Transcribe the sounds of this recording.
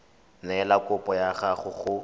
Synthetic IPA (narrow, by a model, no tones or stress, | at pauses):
nɛlakʼʊpʼɔjaɣaχʊɣʊ